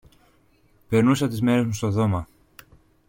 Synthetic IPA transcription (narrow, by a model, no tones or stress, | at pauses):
pe̞ɾnusɐt̪izme̞ɾe̞zmust̪oðo̞mɐ